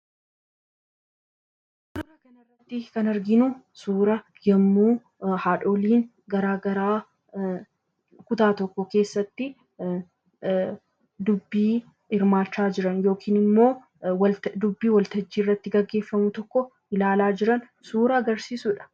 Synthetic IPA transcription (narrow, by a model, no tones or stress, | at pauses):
bʊrːɐkɐnɐrːɐt̪ːɪkɐnɐɾɡɪnʊ | suːɾɐ | jɐmːuː | haːᶑoːliːn | ɡɐɾaːɡɐɾaː | kʊt̪aːt̪ɔkːɔke̞ːsːɐt̪ːɪ | d̪ʊbːiː | ɪɾmaːt͡ʃːaːd͡ʒɪɾɐnjo̞ːkʰiːnɪmːo̞ː | wɐd̪ʊbːiːwɐlt̪ɐd͡ʒːiːrːɐt̪ːɪɡɐɡːe̞ːfːɐmʊt̪ɔkːɔ | ɪlaːlaːd͡ʒɪɾɐn | suːɾɐɐɡɐɾsiːsʊᶑɐ̥